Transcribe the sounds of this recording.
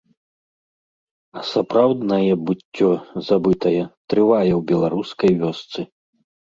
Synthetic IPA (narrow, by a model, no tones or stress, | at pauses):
ɐsapɾawd̪nɐjɛbutʲːɔzabɨt̪ɐjɛt̪ɾɨvajɛwbʲɛlˠaɾuskɐjvʲɔst̪sɨ